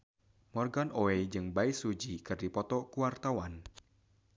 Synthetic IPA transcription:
mɔrɡanoed͡ʒɨŋbaisud͡ʒikɨrdipɔt̪ɔkuwart̪awan

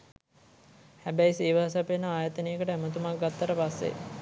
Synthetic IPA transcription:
hæbæjsiːʋaɦs̬apenːəaːjət̪ənijəkəʈəæmət̪̬umak̚ɡat̪ːəɾəpasːḛ

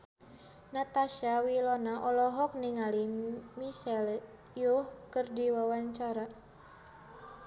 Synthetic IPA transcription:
nat̪aʃawilɔnaʔɔlɔɦɔk̚niŋalimisɛl | juhkɨrdiwawaɲt͡ʃaɾa

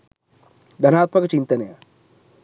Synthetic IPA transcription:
d̪ʱɐnaːt̪mɐkɐt͡ʃint̪ɐnɐjɐ̰

